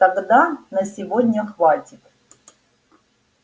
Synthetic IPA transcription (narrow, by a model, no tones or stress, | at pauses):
t̪ɐɡd̪anəsʲɪvod̪ʲnʲəxvatʲɪt̪